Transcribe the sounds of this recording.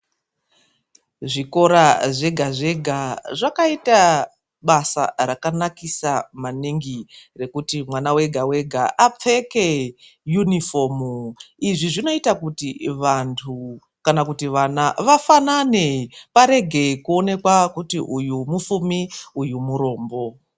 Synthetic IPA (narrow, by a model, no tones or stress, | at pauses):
ʐiko̞ɾaʐe̞ɡʱaʐe̞ɡʱaʐakaita | ɓasa̰rakanakisamaniŋɡire̞kutimwanawe̞ɡʱawe̞ɡʱaʔap͡fe̞ke | junifo̞miʐiʐino̞itakutiʋantʰu | kanakutiʋanaʋafanane̞paɾe̞ɡʱe̞kuo̞ne̞kwakutiʔujumufumiujumuɾo̞ːmbo̞